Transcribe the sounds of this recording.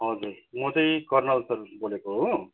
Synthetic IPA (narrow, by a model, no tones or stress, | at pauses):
ɦʌd͡zurmʌt͡sʌj̃kʌrnʌlsʌrbolekoɦo